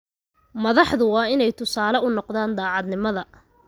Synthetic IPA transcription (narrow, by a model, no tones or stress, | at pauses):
mɐðɑħðʊwɑːɪnɛjt̪ʰʊsaːlɐʊnɔqðaːnd̪aːʕɑd̪nɪmɐðɐ